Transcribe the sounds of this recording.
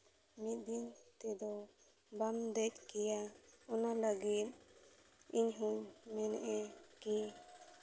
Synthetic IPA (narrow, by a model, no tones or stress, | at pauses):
mit̪̚d̪int̪ɛd̪ɔ | bamd̪ɛt͡ʃkɛjaɔnaləɡit̪̚ | iɲɦuɲmɛnɛʔɛki